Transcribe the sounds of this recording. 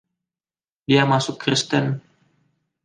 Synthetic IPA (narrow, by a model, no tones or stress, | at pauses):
diamasʊkːɾist̪ɛn